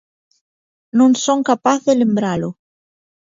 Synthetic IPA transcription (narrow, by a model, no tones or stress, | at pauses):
nõŋsoŋkapaθðelembɾalo